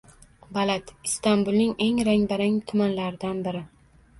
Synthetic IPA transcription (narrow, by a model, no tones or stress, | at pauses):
balat̪ɪst̪ambʊlˠnɪŋe̞ŋɾaŋbaɾaŋt̪ʰʊmanlaɾɪd̪anbɪɾɪ